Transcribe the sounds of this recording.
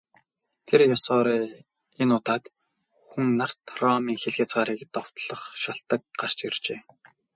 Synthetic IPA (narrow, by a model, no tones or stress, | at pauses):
t̪ʰerjasɔːɾeː | enʊt̪aːt̪ | xuŋnar̥t̪rɔmiːŋxeɮxʲăt͡sɢaːɾiːkt̪ɔw̥t̪ɮɞ̆χʃaɬt̪ə̆k̚ɢar̥t͡ɕirt͡ɕeː